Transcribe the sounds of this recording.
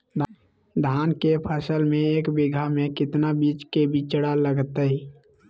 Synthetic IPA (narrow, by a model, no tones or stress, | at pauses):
d̪ | d̪ʱaːnkepʰəsəlmẽeːkbɪɡʱamẽkɪt̪nabiːt͡ʃkebit͡ʃəɽaləɡt̪ə